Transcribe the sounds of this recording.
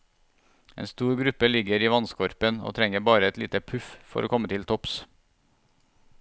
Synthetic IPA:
ḛːnst̪uːɾɡɾʉpəlɪɡəɾiːʋɑnskɔɾpəno̰ːt̪ʰɾɛŋəbɑːɾəɛt̪lḭːt̪əpʰʉffɔ̰ɾʔoːkʰɔmːət̪ʰɪlt̪ʰɔps

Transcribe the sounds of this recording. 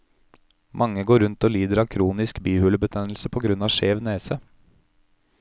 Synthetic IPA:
mʔɑŋəɡoːɾʉnt̪oːliːd̪əɾɑːkʰɾuːnɪskbyːhʉləbət̪ʰɛnl̩səpʰoːɡɾʉnɑːʃeːʋneːsə

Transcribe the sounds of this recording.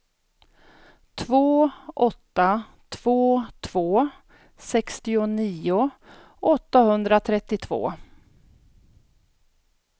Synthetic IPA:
t̪ʰvoːʔɔt̪ːa | t̪ʰv̥oːt̪ʰv̥oː | sɛkst̪ɪʊniːʊ | ʔɔt̪ːahɵnd̪ɾat̪ʰɾɛt̪ːɪt̪ʰvo̰ː

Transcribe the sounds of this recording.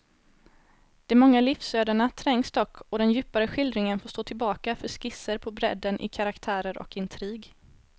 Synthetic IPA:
d̪̥ɛmɔŋːalɪfsøːd̪aɳat̪ʰɾɛŋːsd̪ɔkʰːɔd̪ɛnjʉ̟ːpaɾəɧɪld̪ɾɪŋənfoːʂst̪oːt̪ʰɪlbɑːkafœʂkɪsːəɾpʰɔbɾɛ̰d̪ːənʔɪ̰kʰaɾakt̪ʰæːɾəɾɔ̰kɪnt̪ʰɾiːɡ

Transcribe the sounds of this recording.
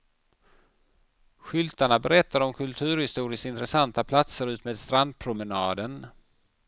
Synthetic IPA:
ɧʏlt̪aɳabɛɾɛt̪ːaɾɔmkʰɵlt̪ʰʉ̟ːɾhɪst̪uːɾɪskɪnt̪ɾɛsant̪apʰlat̪səɾʉ̟ːt̪meːd̪st̪ɾand̪̚pʰɾʊmɛnɑːd̪ən

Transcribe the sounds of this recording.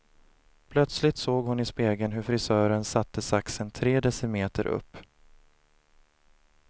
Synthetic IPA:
pʰlœt̪slɪt̪soːɡhʊnɪspeːɡənɦɵɾfɾɪsœːɾənsat̪ːəsaksənt̪ʰɾeːd̪ɛsəmeːt̪əɾʔɵ̰pː

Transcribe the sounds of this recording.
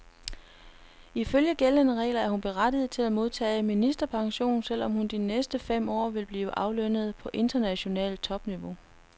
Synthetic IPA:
iføljəɡ̥elənəʁɛ̰ːlɐæɐhunb̥e̝ʁad̥ið̞̩ˠt͡sʰe̝læmo̝ð̞ˠt͡sʰɛ̰ːminisd̥ɐpʰɑ̈ŋɕo̝̰ːnsel̰ɒ̽mhund̥inesd̥əfem̰ɒ̰ːʋe̝lb̥liːʊəʔɑ̈ʊløn̰ð̞̩ˠpʰɒ̽ʔe̝nd̥ɐnæɕo̝nɛ̰ːl̚t͡sʰɒ̽b̥niʋo̝

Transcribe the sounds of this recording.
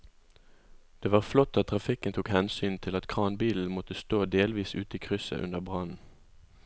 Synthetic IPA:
d̪̥eːʋɑːʁflɔt̪ːɑt̪̚ʰːʁɑfɪkənt̪ʰuːkhɛnsyːnt̪ʰɪlɑt̪kʰʁɑːnbiːln̩mɔt̪əst̪oːd̪eːlʋiːsʉːt̪əiːkʰʁʏsə̰ʔʉ̰nəʁbʁɑnn̩

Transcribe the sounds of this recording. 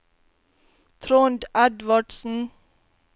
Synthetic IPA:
t̪ʰɾoːnd̪æd̪ʋaɖsn̩

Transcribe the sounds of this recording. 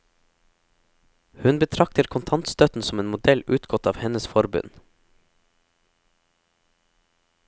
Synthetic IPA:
hʉnbət̪ʰɾɑk̚t̪əɾkʰʊnt̪ʰɑnt̪st̪œt̪n̩sɔmeːnmʊd̪ɛlʉːt̪ɡɔt̪ɑːʋhɛnəsfɔɾbʉ̰n

